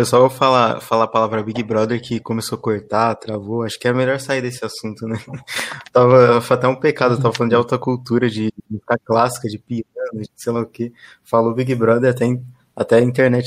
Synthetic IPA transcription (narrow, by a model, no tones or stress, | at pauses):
peswawofala̰falaːpalavɾɐbiɡɪbɾɔd̪eɾkɪkõmesokoɾt̪at̪ɾavoaʃʊ̥kɪɛɾɐmeʎɔɾsaid̪esɪasũnt̪ʊnɛ | t̪avɐfoat̪ɛũpekad̪ʊewt̪avɐfalɐ̃d̪d͡ʒawt̪ɐkuwt̪uɾɐd͡ʒɪkmizi̥kɐklasi̥kɐd͡ʒɪpiɐ̃nʊd͡ʒɪsejlaʊke | falobiɡɪbɾɔd̪eɾat̪ɛ̃ | at̪ɛɐĩnt̪eɾnɛt͡ʃ